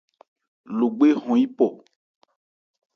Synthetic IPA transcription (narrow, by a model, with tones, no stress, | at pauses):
lo˨ɡ͡be˦ɦɔ̃˨ji˦pɔ˨